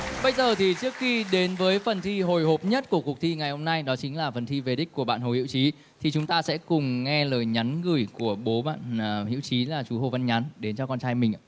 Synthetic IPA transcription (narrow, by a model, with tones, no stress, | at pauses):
ɓə˧jzəː˨˩t̪ʰi˨˩t͡ɕɨ˦˥ək̚xi˧ɗe˨˦nvəː˨˦jfə˨˩nt̪ʰi˧ɦo˨˩jɦo˨˩p̚ɲə˦˥t̚ku˧˩əku˨˩ək̚t̪ʰi˧ŋa˨˩jho˧ŋ͡mna˧jɗɔ˨˦t͡ɕï˨˦ŋ̟laː˨˩fə˨˩nt̪ʰi˧ve˨˩ɗi˦˥k̚kːu˧˩əɓa̰ː˧˨nɦo˨˩hḭ˧˥wt͡ɕi˨˦ | t̪ʰi˨˩t͡ɕʊ˨˦ŋ͡mt̪aː˧sɛ̰˧˥kʊ˨˩ŋ͡mŋɛ˧ləː˨˩jɲa˨˦nɣɨ˨˩əjku˧˩əɓo˨˦ɓa̰ː˧˨nː˨˩hḭ˧˥əwt͡ɕi˨˦laː˨˩t͡ɕu˨˦ho˨˩və˧nɲa˨˦nɗe˨˦nt͡ɕɔ˧kɔ˧nt͡ɕaː˧jmï˨˩ŋʔa̰ː˧˨